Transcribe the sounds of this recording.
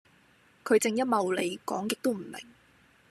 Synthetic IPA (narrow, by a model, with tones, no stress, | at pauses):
kʰɵ˨˧ɥt͡sɪ˨ŋjɐ˥t̚mɐ˨wle˨˧jkɔ̰ː˨˥ŋkɪ˨k̚t̪o˥wm̩˨˩lɪ̰˨˩ŋ